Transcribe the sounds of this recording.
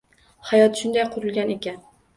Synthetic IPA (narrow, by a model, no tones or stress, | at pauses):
hajɒt̪ʃʊnd̪ajqʰʊɾɨlˠɡʲanekʲan